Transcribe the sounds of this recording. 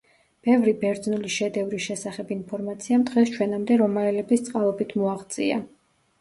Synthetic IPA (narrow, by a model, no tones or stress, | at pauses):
b̥ɛvɾibɛɾd̪znuliʃɛd̪ɛvɾiʃɛsaχɛbinpʰɔɾmat̪sʰiamd̪ʁɛst͡ʃʰwɛnamd̪ɛɾɔmaɛlɛbist̪sʼqʼalˠɔbit̪ʰmɔaʁd̪sʼia